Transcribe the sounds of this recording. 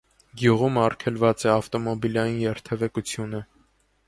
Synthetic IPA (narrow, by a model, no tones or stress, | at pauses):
ɡjuʁumɑrkʰɛlvɑt͡sɛɑft̪ɔmɔbilɑjinjɛɾt̪ʰɛvɛkut͡sʰjunə